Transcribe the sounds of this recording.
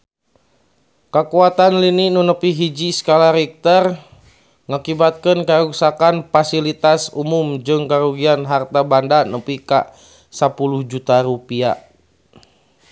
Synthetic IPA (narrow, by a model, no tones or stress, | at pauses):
kakuat̪anlininunəpiɦid͡ʒiskalaɾɛk̚t̪ər | ŋakibat̪̚kənkaɾusakanfasilit̪asumumd͡ʒɨŋkaɾuɡianɦart̪abandanəpika̰ | sapuluhd͡ʒut̪aɾupia̰